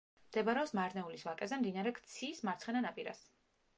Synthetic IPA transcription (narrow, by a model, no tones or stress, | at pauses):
md̪̥ɛbaɾɛɔpsmaɾnɛulisvakʼɛzɛmd̪inaɾɛɡt̪sʰismaɾt̪sʰχɛnanapʼiɾa̰s